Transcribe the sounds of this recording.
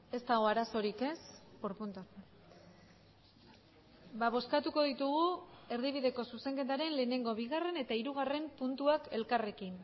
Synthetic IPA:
e̞st̪aɣo̞aɾaso̞ɾike̞spoɾpunt̪a | baβ̞o̞skat̪uko̞ðit̪uɣ̞ue̞ɾðiβ̞iðe̞ko̞suse̞ŋke̞t̪̬aɾe̞nle̞ːne̞ŋɡo̞β̞iɣ̞are̞ne̞t̪aiɾuɣ̞are̞mpunt̪uake̞lkare̞kin

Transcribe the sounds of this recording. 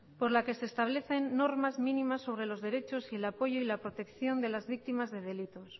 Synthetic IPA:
po̞ɾlake̞se̞ːst̪aβle̞θe̞nːo̞ɾmazmĩnimasːo̞β̞ɾe̞lo̞zðe̞ɾe̞t͡ʃo̞sielapo̞ʝoilapɾo̞t̪e̞kθjo̞nd̪e̞lazβik̚t̪imazðe̞ð̞e̞lit̪o̞s

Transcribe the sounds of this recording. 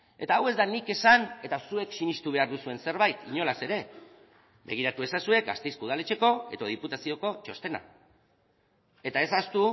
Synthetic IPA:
e̞t̪aːwe̞zd̪anike̞sane̞t̪asue̞ksinist̪uβ̞e̞aɾðusue̞nse̞ɾβ̞ajt̪iɲo̞lase̞ɾe̞ | be̞ɣ̞iɾat̪ue̞sasue̞kɡa̰st̪ejskuðale̞t͡ʃe̞ko̞e̞̰ðo̞ð̞iput̪asio̞ko̞t͡ʃo̞st̪e̞na̰ | e̞t̪ae̞sast̪u

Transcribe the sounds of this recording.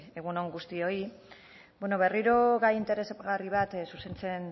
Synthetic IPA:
e̞ɣ̞unoŋɡust̪io̞i | bweno̞βe̞riɾo̞ɣajint̪e̞ɾe̞sopɣariβ̞at̪suse̞nt͡se̞n

